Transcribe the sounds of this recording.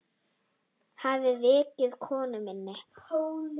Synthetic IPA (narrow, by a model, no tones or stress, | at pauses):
havɪvɪːcɪðkʰɔːnʏmɪnːɪ